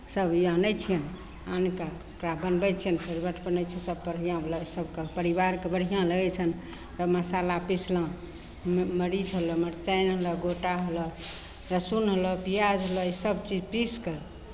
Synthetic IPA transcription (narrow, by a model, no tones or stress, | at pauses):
səbjãnəjt͡ʃʰijən | anka | kɾabənbət͡ʃʰijənpʰeɾbəʈʰbənət͡ʃʰisəb̚pəɽɦijãɦləsəbkepəɾibaɾkebəɽ̤ijãləɡɛt͡ʃʰən | ɾəməsalapisʰlɔ̃ | məɾid͡ʒɦəlɔməɾt͡ʃajnɦəlɔɡoʈaɦolɔ | ɾəsunɦəlɔpijad͡ʒɦolɔisəbt͡ʃid͡ʒpiskəɾ